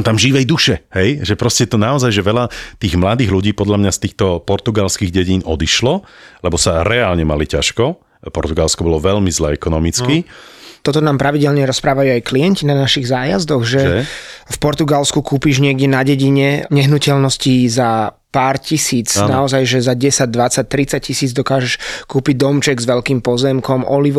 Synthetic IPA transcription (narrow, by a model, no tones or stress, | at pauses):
t̪amʒiʋɛjd̪uʃɛhɛjʒɛpɾɔscɛt̪ɔnaɔzajʒɛʋɛlat̪iːɣmlad̪iːɣluɟiːpɔd̪ʎamɲast̪iːxt̪ɔpɔɾt̪uɡalskiːɣɟɛɟiːnɔd̪iʃlɔlɛbɔsaɾɛaːlɲɛmalicaʃkɔ | pɔɾt̪uɡalskɔbɔlɔʋɛʎmizlɛːɛkɔnɔmit͡skit̪ɔt̪ɔnaːmpɾaʋiɟɛlɲɛɾɔspɾaːʋajuːajklijɛɲcinanaʃiɣzaːjazd̪ɔɣʒɛfpɔɾt̪uɡalskukuːpiːʒɲɪɛɡɟɛnaɟɛɟiɲɛɲɛɦnucɛlnɔsciza | paːɾcisiːt͡snaɔzajʒɛzaɟɛsaɟ̚d̪ʋat͡sac̚t̪ɾit͡sac̚cːisiːd͡zd̪ɔkaːʒɛʃkuːpiɟ̚d̪ɔmt͡ʃɛɡzʋɛʎkiːmpɔzɛmkɔmɔliʋ